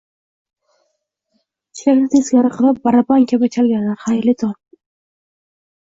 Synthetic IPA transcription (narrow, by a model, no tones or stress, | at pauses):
t͡ʃʰɪ̥ɾʲakʲnɪt̪ʰesɡʲaɾɪqʰɨlˠap̚baɾabaŋkʲʰabat͡ʃʲʰalɡʲanahajlɪt̪ʰon